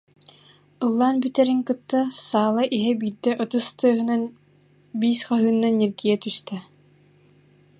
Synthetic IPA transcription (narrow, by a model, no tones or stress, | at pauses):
ɯlˠːaːnbyt̪ɛɾiŋkɯt̪ːasaːlˠaʔiɦɛbiːɾd̪ɛʔɯt̪ɯst̪ɯːɦɯnan | biːsχaɦɯːnːaneɾɡijɛt̪yst̪ɛ